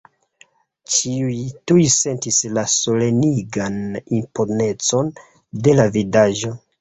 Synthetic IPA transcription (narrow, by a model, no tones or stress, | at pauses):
t͡ʃiujtujse̞ntislaso̞le̞niɡanimpo̞ne̞t͡so̞n | de̞lavidaʒo̞